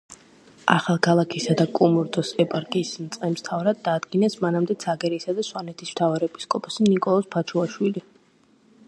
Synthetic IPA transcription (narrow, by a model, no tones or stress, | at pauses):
a̰χalˠkʰalˠakʰisad̪akʼumuɾd̪ɔsɛpʼaɾkʼiːsmt̪sʼqʼɛmst̪ʰavɾad̪̚ːaːd̪ɡinɛsmanamd̪ɛt̪sʰaɡɛɾisad̪aswanɛt̪ʰism̥t̪ʰavaɾɛɛpi̥skʼɔpʰasinikʼɔlˠɔspʰat͡ʃʰuaʃwili